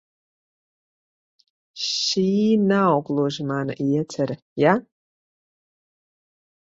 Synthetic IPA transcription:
ʃinawkʼloʒmaːna̰ʔijɛt͡sʰar | ja

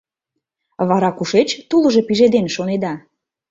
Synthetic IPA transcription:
βɑɾɑkuʃet͡ɕt̪ulɤ̆ʒe̽piʒed̪enʃoned̪ɑ

